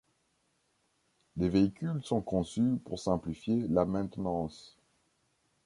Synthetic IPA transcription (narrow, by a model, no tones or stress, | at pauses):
leveikʲylsɔ̃kɔ̃sypuʁsɛ̃plifjelamɛ̃t̪nɑ̃s